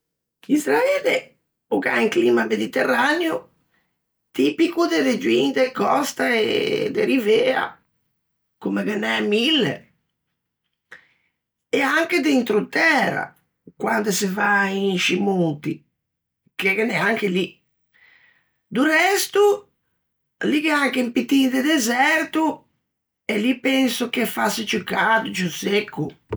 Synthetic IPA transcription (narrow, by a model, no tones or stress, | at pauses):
izɾaeːle | uka̰iŋkliːmamed̪it̪erːanjo | t̪iːpikud̪eɾed͡ʒwind̪ekɔst̪aḛd̪eɾiveːa̰ | kumekenːɛmilːḛ | ɛaŋked̪int̪ɾut̪ɛːɾa̰ | kwand̪esɪvainʃimunt̪i | kekenɛaŋkeli | d̪urɛst̪u | likeaŋkempit̪ːind̪ɪd̪ezɛɾt̪u | elipɛensʊkefasɪt͡ʃukːaːd̪ut͡ʃusekʰːu